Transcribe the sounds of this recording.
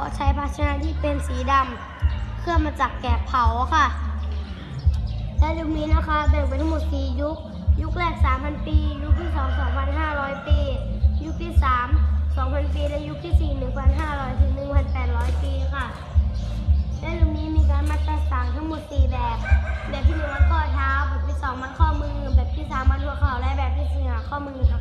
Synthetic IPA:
kʰɔː˨˦t͡ɕʰa˧˥jpʰaː˦˧˥t̪̚ʰa˧naː˧˥t̪ʰiː˧˥˩pe˧nsiː˨˦da˧m | pʰɯ˥˩ɐmaː˧t͡ɕaː˨˩kːɛː˨˩pʰːa˨˩˦wkʰa˧˥˩ʔ | lɛː˧˥lu˧˩ŋ̚niː˧˦˥la˧˥˩kʰa˧˩˧t̪ɛ˧˩ŋpe˧nt̪ʰa˥˧mo˨˩t̪̚siː˨˩ju˦˥k̚ | ju˦˥k̚lɛː˧˩k̪̚saː˨˦mpʰa˧npiː˧ju˦˥k̚t̪ʰiː˥˩sɔː˨˦ŋsɔː˩˦ŋpʰa˧nɦaː˥˩ɾɔː˦˥jpiː˧ju˦˥k̚t̪ʰiː˥˩saː˨˩˦msɔː˨˦ŋpʰa˧˥npiː˧˨lɛ˧˥ju˧˥k̚t̪ʰiː˧˥˩siː˨˩nɯ˨˩ŋpʰa˧˩nɦaː˧˥˩ɾɔː˦˥jt̪ʰɯː˨˦ŋnɯ˨˩ŋpʰa˧˥npɛː˨˩t̪̚ɾɔː˦˥jpiː˧kʰa˧˩ | lɛː˧˥˨lu˧˩ŋ̚niː˧˥˨miː˧˥˨kaː˨˧˦nma˧t̪̚pa˧˩saː˨˩˦ŋt̪ʰa˧˥˩ŋmo˨˧˩t̪̚siː˨˩bɛː˨˩p̚lɛː˨˩p̚t̪ʰiː˧˨nɯ˧˦ŋmʰa˧nk̪ʰɔː˧˩˨t̪ʰaː˧wka˧˩pi˧˥t̪sɔː˨˩˨ma˧˨nkʰɔː˥˩˨mɯː˧˨ŋɯ˧˩˨bɛː˨˩p̚t̪ʰiː˧˩saː˨˦mːʰa˧˥nhu˧˩əkʰa˧˩wlɛ˧˥bɛː˨˩p̚t̪ʰiː˧˩˨siː˧˩˧haː˧˦kʰɔː˧˩˨mɯː˧˨na˧

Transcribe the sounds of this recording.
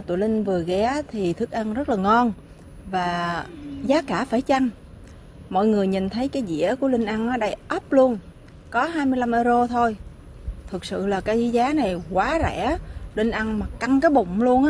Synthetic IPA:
t̪ṵ˧˨lï˧ŋ̟vɨ˨˩əɣɛ˨˦t̪ʰi˨˩t̪ʰɨ˦˥k̚ʔa˧ŋzə˦˥t̚laː˨˩ŋɔ˧n | vaː˨˩zaː˨˦kaː˧˩faː˧˩jt͡ɕa˧ŋ | mɔ̰˧˨jŋɨ˨˩əjɲi˨˩nt̪ʰə˨˦jkaː˨˦jzḭ˧˥əku˧˩əlï˧ŋ̟ʔa˧ŋʔaː˨˦ɗə˧jʔə˦˥p̚lu˧ən | kɔ˨˦ɦaː˧jmɨ˧əjla˧mʔəː˧zo˧t̪ʰo˧j | t̪ʰɨ˨˩k̚sɨ̰˧˨laː˨˩kaː˨˦jzḭ˧˨˦zaː˨˦na˨˩jkwaː˨˦zɛ̰˧˥lï˧ŋ̟ʔa˧ŋmaː˨˩ka˧ŋkaː˨˦jɓʊ̰˧˨ŋ͡mlu˧ənʔaː˧˦

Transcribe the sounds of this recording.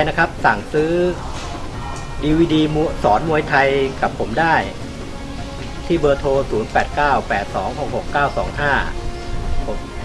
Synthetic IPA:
jna˦˥kʰa˦˥p̚saː˨˩ŋsɯː˦˥ | diː˧wiː˧diː˧mu˧sɔː˩˦nmu˧əjt̪ʰa˧jka˨˩pʰːo˩˦mdaː˥˩j | t̪ʰiː˥˩bɤː˧t̪ʰoː˧suː˩˦npɛː˨˩t̪̚kaː˥˩wpɛː˨˩t̪̚sɔː˩˦ŋho˨˩k̚ho˨˩kːaː˥˩wsɔː˩˦ŋɦaː˥˩ | pʰo˩˦m

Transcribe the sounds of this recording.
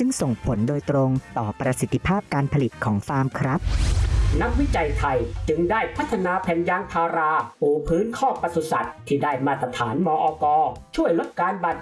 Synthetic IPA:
t͡ɕɯ˧ŋso˨˩ŋpʰo˩˦ndoː˧jt̪ɾo˧ŋt̪ɔː˨˩pɾa˧si˨˩t̪ʰːi˧pʰaː˥˩p̚kaː˧npʰa˧li˨˩t̪̚kʰɔː˩˦ŋfaː˧mkʰɾa˦˥p̚na˦˥k̚wi˦˥t͡ɕa˧jt̪ʰa˧jt͡ɕɯ˧ŋdaː˥˩jpʰa˦˥t̪ʰːa˧naː˧pʰɛː˨˧njaː˧ŋt̪ʰaː˧ɾaː˧ʔoː˨˧˩pʰɯː˦˥nkʰɔː˥˩pa˧su˨˩sa˨˩t̪ʰːiː˥˩daː˥˩jmaː˥˩t̪ɾa˧t̪ʰaː˩˦nmɔː˧ʔɔː˧kɔː˧t͡ɕʰu˥˩əjlo˦˥t̪̚kaː˧nba˨˩t̪̚

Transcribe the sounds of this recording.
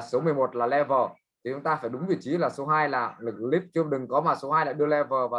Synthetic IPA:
so˨˦mɨ˨˩əjmo˨˩t̚laː˨˩lɛ˧vəː˨˩ | t̪ʰi˨˩t͡ɕʊ˨˦ŋ͡mt̪aː˧faː˧˩jɗʊ˨˦ŋ͡mvḭ˧˩˨t͡ɕi˨˦laː˨˩so˨˦ɦaː˧jlaː˨˩lɨ˨˩k̚li˦˥p̚t͡ɕɨ˧əɗɨ˨˩ŋkɔ˨˦maː˨˩so˨˦haː˧jla̰ː˧˥ɗɨ˧əlɛ˧vəː˨˩vaː˨˩

